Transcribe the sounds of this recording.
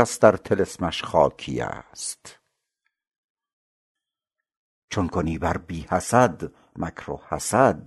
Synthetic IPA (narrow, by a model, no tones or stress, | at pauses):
æsd̪æɾt̪ʰelesmæʃχɒ̰ːkʰḭːæ̰st̪ | t͡ʃʰonkʰoniːbæɾbiːhæsæd̪ | mækʰɾo̰hæ̰sæd̪̚